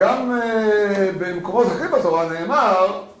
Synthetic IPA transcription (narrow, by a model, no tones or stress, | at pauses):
am | bemkomothaχimbat̪o̞ʁane̞ːmaʁ